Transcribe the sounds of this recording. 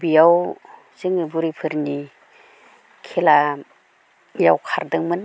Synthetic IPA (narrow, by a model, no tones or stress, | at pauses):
bijaw | z̥ɯŋɯbuɾipʰɯɾni | kʰela | jawkʰaɾdɯŋmɯn